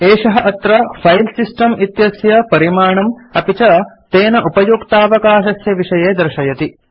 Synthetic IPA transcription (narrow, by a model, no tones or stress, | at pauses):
eːʂɐɦɐʔɐt̪ɾɐfʰɐjlsisʈɐmʔit̪jɐsjɐpɐɾimaːɳɐmɐpit͡ʃɐt̪eːnɐʔupɐjuːkt̪aːʋɐkaːʃɐsjɐʋiʂɐjeːd̪ɐɾʃɐjɐt̪i